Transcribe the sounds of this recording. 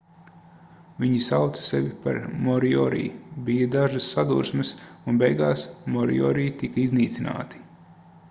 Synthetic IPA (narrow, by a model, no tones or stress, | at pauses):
viɲisawt̪sɐ̥sevʲipa̰ɾmɔɾiɔ̰ɾḭːbijɐd̪aʒɨsːad̪uɾsmɨsunbɛjɡaːsmɔɾḭɔ̰ːɾiːt̪ikɐizniːt̪sʲina̰ːt̪i̥